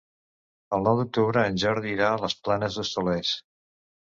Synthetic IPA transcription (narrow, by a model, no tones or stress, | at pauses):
əlˠnɔwd̪uk̚t̪uβɾəːnʲʒɔɾðiɾaləsplanəzðəsulɛs